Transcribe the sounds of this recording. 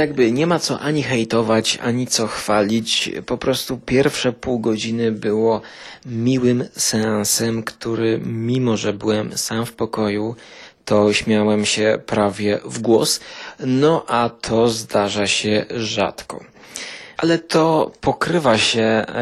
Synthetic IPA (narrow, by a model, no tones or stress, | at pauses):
jaɡbɘɲɛmat̪sɔʔaɲixɛjt̪ɔvat͡ɕa̰ɲit̪sɔxfalʲit͡ɕpɔpɾɔst̪upʲjɛɾfʂɛpuwɡɔd͡ʑinɘbɘwɔ | mʲiwɘmsɛ̃sɛmkt̪uɾɘmʲimɔʐɛbɘwɛmsamfpɔkɔjut̪ʰɔɕmʲjawɛmɕɛpɾavʲjɛvɡwɔsnɔʔat̪ʰɔzd̪aʐaɕɛʐa̰t̪kɔ̰ | ʔalɛt̪ʰɔpɔkɾɘvaɕɛ